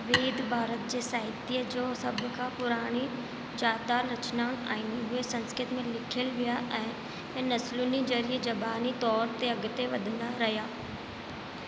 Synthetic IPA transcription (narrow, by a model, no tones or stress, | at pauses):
ʋeːd̪bʱaːɾət̪̚d͡ʒeːsaːɪt̪iːed͡ʒoːsəbkapʊɾaːɽ̃iː | d͡ʒaːd̪aːɾət͡ʃnaːʊna̰ːiniɦʊesə̃nskɾɪt̪mẽːlɪkʰəlʋɪjaːʔɛ̃ | ɛ̃nəsluniːd͡ʒəɾɪeːd͡ʒəbaːniːt̪ɔːɾt̪eəɡt̪eʋəd̪naːɾəɦjaː